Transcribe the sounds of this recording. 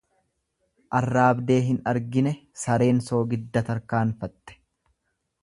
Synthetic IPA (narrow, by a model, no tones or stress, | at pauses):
ʔɐrːaːbd̪e̞ːɦɪnɐɾɡɪnɛsɐɾe̞ːnso̞ːɡɪd̪ːɐt̪ɐɾkaːnfɐt̪ːɛ̥